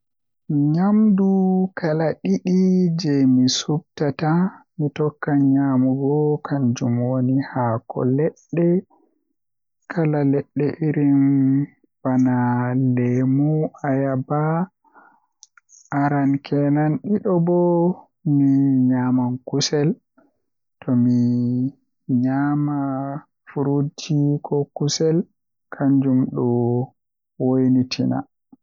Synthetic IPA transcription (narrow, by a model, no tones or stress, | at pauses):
ɲamdukʰalaɗiɗid͡ʒɛmisub̚tatamitɔkːaɲamuɡɔkʰand͡ʒumwonihaːkʰɔ̰lɛɗːɛ | kʰalalɛɗːɛʔiɾin | b̥analemuajaba | ʔaɾankʰɛnanɗiɗɔbɔ | miɲamankusɛl | tɔmi | ɲama | fuɾud͡ʒikʰɔkusɛl | kʰaɲd͡ʒumɗɔ | wojnitʰina̰